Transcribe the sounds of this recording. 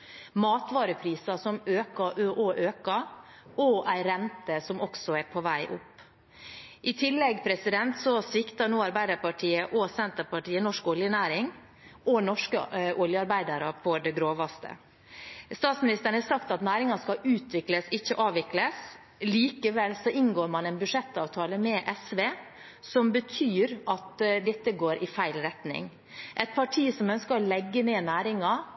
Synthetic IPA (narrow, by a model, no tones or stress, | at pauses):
mɑːt̪ʋɑːɾəpʰɾiːsɑsɔmøːkɑʔoʔɔʔøːkɑ | ʔɔʔæɪɾɛnt̪əsɔmɔksɔæɾpʰɔʋæɪʔʊpː | ʔɪt̪ʰɪlːɛɡpʰɾɛsɪd̪ɛnt̪sɔsʋɪkt̪ɑnuːɑɾbæɪd̪ɑɾpɑʈʰiːəʔɔsɛnt̪əɾpɑʈiːənɔʂkɔljənæːɾɪŋ | ɔnɔʂkəʔɔljəɑɾbæɪd̪ɑɾəpʰɔd̪ɛɡɾoːʋɑst̪ə̰ | st̪ɑːt̪smɪnɪst̪əɾɳ̩hɑsɑkt̪ɑt̪næːɾɪŋɑskɑʔʉːt̪ʋɪkləsɪçːəʔɑːʋɪkləs | liːkəʋɛlsɔʔɪnɡoːɾmɑnɛnbʉʂɛt̪ːɑːʋt̪ʰɑːləmɛʔɛsʋeː | sɔmbət̪ʰyːɾɑt̪d̪ɛt̪ːəɡoːɾʔɪfæɪlɾɛt̪nɪ̰ŋ | ʔɛt̪̚pʰɑʈʰiːsɔmœnskəɾɔlɛɡːəneːnæːɾɪŋɑ